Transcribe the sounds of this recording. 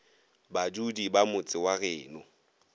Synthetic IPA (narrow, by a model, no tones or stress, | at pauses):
bad͡ʒudibamʊt͡sʼɪwaɣɛːnʊ